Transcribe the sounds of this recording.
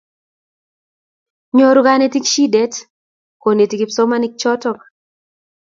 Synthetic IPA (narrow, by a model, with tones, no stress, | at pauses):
ɲo˨ɾu˦ɡa˦ne˦ti˦kʃi˦dɛ˦t | ko˨ne˨ti˨ki˨psɔ˦ma˦ni˦k̚t͡ʃɔ˦tɔ˦k